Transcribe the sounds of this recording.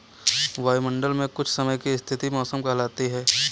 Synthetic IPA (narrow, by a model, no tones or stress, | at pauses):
ʋaːjmə̃ɳɖəlmẽkʊt͡ʃʰsɐməjkiɪst̪ʰɪt̪imɔːsəmkɐɦlaːt̪iɦɛː